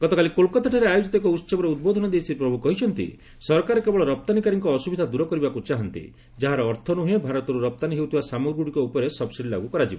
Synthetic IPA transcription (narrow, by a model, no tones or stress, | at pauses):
ɡɔt̪ɔkalikolkɔt̪aʈʰaɾeajud͡ʒit̪ɔkɔut̪ːsɔbɔɾeud̪̚bod̪ʱɔnɔd̪esipɾɔbʱukɔɦit͡ʃʰɔnt̪ḭ | sɔɾkaɾɔkebɔɭɔɾɔp̚t̪anikaɾiŋkɔːsubid̪ʱad̪uɾɔkɔɾibakut͡ʃaɦɔnt̪ḭ | d͡ʒaɦaɾɔːɾt̪ʰɔnuɦebʱaɾɔt̪ɔɾuɾɔp̚t̪aniɦewut̪ʰibasamuɾɡuɽikɔupɔɾesɔbsiɽila̰ɡukɔɾad͡ʒibɔ̰